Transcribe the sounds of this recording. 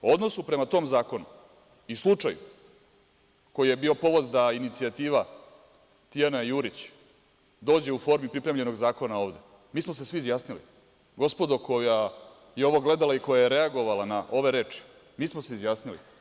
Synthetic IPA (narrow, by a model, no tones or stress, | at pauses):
o̞d̪no̞supɾe̞mat̪o̞ːmzaːko̞nu | islˠut͡ʂaju | ko̞jije̞biːo̞po̞ʋo̞d̪d̪ainit̪siat̪iːʋa | t̪ijanajuɾit͡ɕ | d̪o̞ːd͡ʑe̞ufo̞ɾmipɾipɾemʎe̞no̞ɡzaːko̞nao̞ːʋd̪e̞ | miːsmo̞sesʋiizjaːsnilḭ | ɡo̞spo̞d̪okʰo̞ja | jeo̞ʋo̞ɡle̞d̪alaiko̞jajeɾe̞aɡo̞ʋalanaʔo̞ʋe̞ɾe̞ːt͡ʂi̥ | miːsmose̞izjaːsnilḭ